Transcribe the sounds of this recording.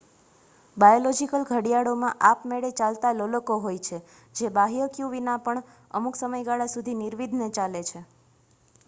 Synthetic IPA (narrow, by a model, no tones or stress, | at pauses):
bajolɔd͡ʒikəlɡʱəɽijaɽomãʔapmeɭet͡ʃalt̪aloləkoɦojt͡ʃʰe | d͡ʒebaɦijəkjuʋinapəɳ | ə̰muksəməjɡaɭasud̪ʱiniɾʋid̪ʱnet͡ʃalet͡ʃʰe